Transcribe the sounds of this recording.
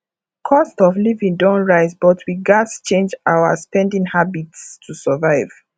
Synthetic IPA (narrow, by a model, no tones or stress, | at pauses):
kʰɔstɔvlivĩŋdɔ̃nɹaɪsbɔtʰwiɡatst͡ʃẽnd͡ʒaʊa̰spɛ̃ndĩŋhabitsstʰusəvaɪv̥